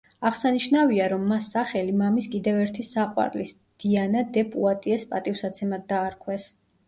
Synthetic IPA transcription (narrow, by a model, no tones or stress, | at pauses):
aʁsaniʃnaviaɾɔmːasːaχɛlimamiskʼid̪ɛvɛɾt̪ʰisaqʼwa̰ɾlis | d̪̥ianad̪ɛpʼuat̪ʼiɛspʼat̪ʼifsat̪sʰɛmad̪ːaːɾkʰwɛs